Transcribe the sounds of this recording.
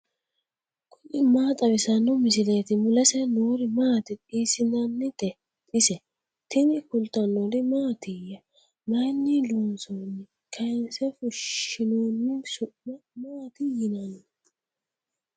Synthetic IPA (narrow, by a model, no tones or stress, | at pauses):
kʰʊʔɪmaːt̪ʼɐbɪsɐnːɔmɪsɪleːt̪ɪmʊlɐsɛnuːɾɪmaːt̪ɪtʼiːsɪnɐnːɪt̪ɛ | t̪ʼɪsɛ | t̪ɪnɪkʊlt̪ːɐnːɔdɪmaːt̪ɪjɐ | mɐjnːiluːnsoːnːɪ | kʰɐjnsɛfʊʃːɪnoːnːɪsʊmmaːt̪ɪjɪnɐn